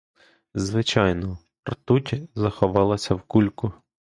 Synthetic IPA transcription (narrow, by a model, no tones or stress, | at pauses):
zʋɪt͡ʃɑjnɔ | rt̪utʲzɐxɔʋɑlˠɐsʲɐwkulʲkʊ